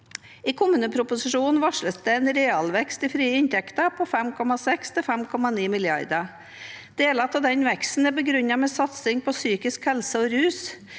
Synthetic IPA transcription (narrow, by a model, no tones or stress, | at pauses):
iːkʰʊmːʉːnəpʰɾʊpʊsɪʂuːnnʋɑʂləsd̪ɛɛːnɾeːɑlʋɛkst̪ɪfɾiːəɪnt̪ʰɛkt̪əpʰɔfɛmkʰɔmɑsɛkst̪ʰɪlfɛmkʰɔmɑniːmɪlɪɑ̰ɾd̪ə | d̪̥eːlɑt̪ɑd̪ɛnʋɛkst̪n̩æbəɡɾʉɲːɑmɛsɑt̪sɪŋpʰɔsyːkɪskhɛlsəɔɾʉːs